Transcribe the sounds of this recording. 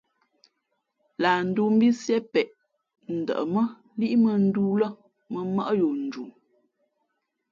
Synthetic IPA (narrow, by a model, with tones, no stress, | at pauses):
la˨n̩˦du˦m̩˦bi˦sjɛ˦pɛ˨ʔ | n̩˨də̰˨ʔə˨mə˦ | li˦ʔmə˦˨n̩˦du˦lə˦ | mə˨mə˦ʔjo˨n̩˨d͡ʒu˨